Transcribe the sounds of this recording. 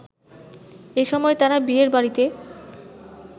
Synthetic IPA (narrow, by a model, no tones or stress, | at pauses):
eʃɔmɔet̪aɾabieɾbaɾit̪e